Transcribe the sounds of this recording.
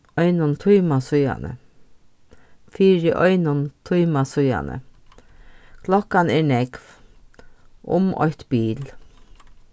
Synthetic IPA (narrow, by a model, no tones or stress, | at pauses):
ɔʏnʊnt̪ʰʊːmasʊja̰nə̰ | fiːɾɪʔɔʏnʊnt̪ʰujmasʊja̰nə̰ | kʰlɔkanɛːɳɛɡv | ʔʊ̰mʔɔ̰jt̪b̥iːl